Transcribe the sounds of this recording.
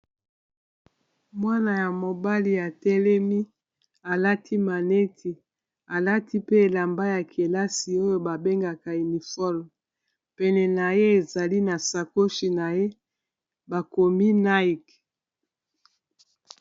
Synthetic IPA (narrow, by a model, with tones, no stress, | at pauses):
mwa˦na˨ja˨mo˨ba˦li˨a˨tɛ˦lɛ˦mi˦ | a˨la˦tʰi˦ma˨ne˦tʰi˨ | a˨la˦ti˦pe˦e˨la˨mba˦ja˨kʰe˨la˦si˨o˦jo˦ba˨be˦ŋɡa˨ka˨i˨ni˨fɔ˦lm | pɛ˨nɛ˨na˨je˦e˨za˨li˦na˨sa˨ko˦ʃi˨na˨je˦ | ba˨ko˨mi˦na˦i˨k